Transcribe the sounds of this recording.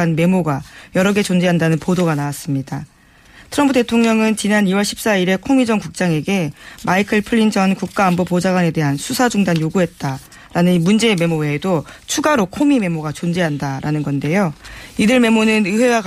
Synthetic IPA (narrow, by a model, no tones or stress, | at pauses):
anme̞moɡajʌɾʌɡe̞t͡ɕond͡ʑeɦandanɯnpodoɡanawas͈ɯmɲida | tʰɯɾʌmpʰɯde̞tʰoŋɲʌŋɯnt͡ɕinaniwʌɭɕʰi̥p̚s͈aiɾe̞kʰomid͡ʑʌnkuk̚t͡ɕ͈aŋe̞ɡe̞maikʰɯɭpʰɯɭːind͡ʑʌnkuk̚k͈aːmbopod͡ʑaɡwane̞de̞ɦansʰusʰad͡ʑuŋdanjoɡuɦe̞t̚t͈a | ɾanɯnimund͡ʑe̞ːme̞moweːdot͡ɕʰuɡaɾokʰomime̞moɡat͡ɕond͡ʑeɦandaɾʔanɯnɡʌnde̞joidɯɭme̞monɯnɯɸwe̞wak